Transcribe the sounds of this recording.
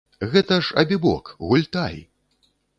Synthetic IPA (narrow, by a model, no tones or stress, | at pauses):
ɣɛt̪ɐʂɐ̰bʲibɔ̰kɣulʲt̪aj